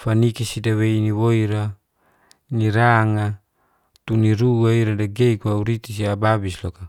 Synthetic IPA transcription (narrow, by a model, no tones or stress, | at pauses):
fanikisidaweiniwoiɾa | niɾaŋa | t̪uniɾuaiɾadaɡeikuauɾit̪is̬iababislɔka